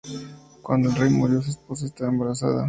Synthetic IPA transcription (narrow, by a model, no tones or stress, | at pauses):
kwa̰nd̪oelrejmuɾjo̞s̬uespo̞s̬aes̬t̪aβaembaɾasa̰ða̰